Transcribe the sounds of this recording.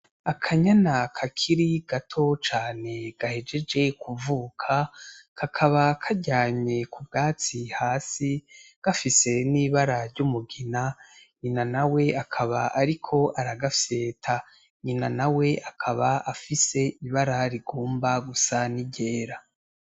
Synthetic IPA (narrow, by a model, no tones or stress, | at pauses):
akʰaɲanakʰakʰiɾiɡ̥atʰo̞t͡ʃaːne̞ɡ̥ahe̞d͡ʒe̞d͡ʒe̞kuvuːkʰakʰakʰaβakʰaɟaːɲɲe̞kʰubɡaːt͡sihaːsiɡ̥afise̞niːβaɾaɾɟumuɡinaɲinanawe̞akʰaβaʔaɾikʰo̞ʔaɾaɡafse̞ːtʰa | ɲinanawe̞ʔakʰaβaafise̞ʔiβaɾaɾiɡoːmbaɡusaniɟeːɾa